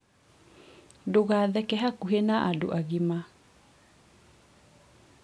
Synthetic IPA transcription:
doɣaːðɛkɛɦakuɦenaʔado̰ʔaɣima

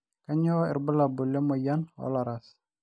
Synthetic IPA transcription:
kaɲɔɪ̰rbəlabulɛmɔjanɔ̰laɾas

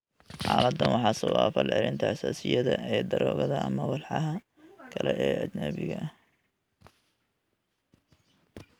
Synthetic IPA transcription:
ħɑːlɐd̪ːɐnwɑħɑːsɐwaːfɐlʕɛlɪnt̪ʰɐhɐsaːsɪjɐðɐʔɛːd̪ɐɾɔːɣɐðɐʔɐmɐwɑlħɑɦɐ | kʰɐlɛʔɛːʔɐd͡ʒnɐβɪɣɐ

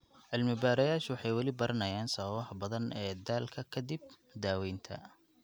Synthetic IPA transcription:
ʕɪlmɪbaːɾɐjaːʃʊwɑħɑjwɑlɪbɐɾʔɐnɐjaːnsɐɐβɐħbɐðɐnʔɛːd̪aːlkʰɐkʰɐd̪ib̚ | d̪aːwɛjnt̪ʰɐ̰

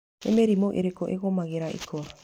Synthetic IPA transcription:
ḛmeɾimoʔḛɾekoʔeɣomaɣeɾaʔḭkʰoɾa

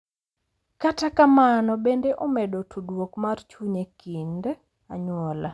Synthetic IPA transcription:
katakamanɔbendeʔɔmedotʰudwokmart͡ʃuɲekind | aɲwɔla

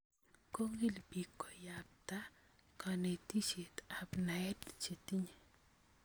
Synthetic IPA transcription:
koŋɡilbikːojap̚t̪a | kanet̪iʃit̪abnaett͡ʃit̪iɲ

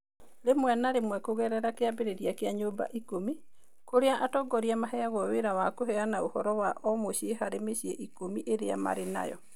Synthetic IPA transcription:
lemwɛnaɾemwɛkoɣɛɾɛɾakeabeɾeɾiakeaɲoːba̰ʔikomi | koɾeaʔatɔɡɔɾiamaɦɛaɣɔweɾawakoɦɛanaohɔɾɔwaʔɔmoɕieɦaɾemeɕiɛʔikomiʔeɾeama̰ɾena̰jɔ̰

